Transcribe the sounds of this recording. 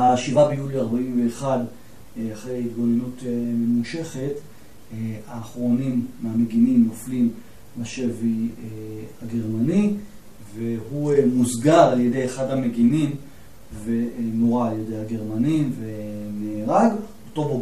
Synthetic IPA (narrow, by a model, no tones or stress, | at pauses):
aʃivabejuliaʁbaimveːχad | aχʁejhit̪̚ɡo̞lenuteme̞muʃe̞χe̞t | aːχʁo̞nimːeame̞ɡinimnoflim | laʃe̞vieaɡe̞ʁmani | veɦumuzɡaʁalje̞de̞jeχadhame̞ɡinim | ve̞noʁaːljedejhaɡe̞ʁmanimvemeːʁaɡ | oto̞bo